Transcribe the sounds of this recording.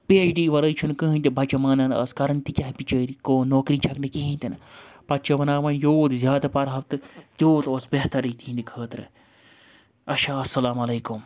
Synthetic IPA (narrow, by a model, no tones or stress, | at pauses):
peːt͡ʃɖiːʋɐɾɐjt͡ʃʰunkɨɦĩnt̪ibɐt͡ʃɐmaːnɐnɐ̰skɐɾɐnt̪ikʲɐɦpit͡ʃəːɾikoːnːoːkɾiːt͡ʃʰɐknɨkiɦĩnʲt̪ʲinpɐt̚t͡ʃɐʋɐnaːʋɐnjoːt̪zʲjaːd̪ɐpɐɾɦɐbt̪ɨt̪joːt̪oːsbeɦt̪ɐɾit̪ʰiːnd̪ikʰəːt̪ɾɨ̰ | ɐʃaːɐsːɐlaːmɐleːkum